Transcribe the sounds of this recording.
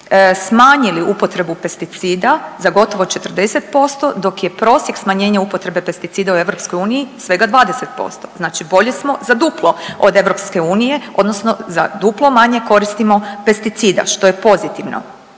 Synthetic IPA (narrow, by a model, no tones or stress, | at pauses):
smaːɲiliupo̞t̪ɾe̞bupe̞st̪it̪siːd̪azaɡo̞t̪o̞ʋot͡ʃe̞t̪r̩d̪e̞set̪po̞st̪o̞d̪o̞kje̞pɾo̞ːsjeksmaɲe̞ːɲaupot̪ɾe̞be̞pe̞st̪it̪siːd̪aue̞ʋɾo̞psko̞juːnijisʋe̞ɡad̪ʋaːd̪eset̪̚po̞̰st̪o̞̥̰znaːt͡ʃibo̞ʎesmo̞zad̪uːplˠo̞od̪e̞ʋɾopske̞uːnije̞o̞̰d̪no̞sno̞zad̪uplˠo̞maɲe̞ko̞ɾist̪imo̞pest̪it̪siːd̪a̰ʃt̪ojepo̞zit̪iʋno̰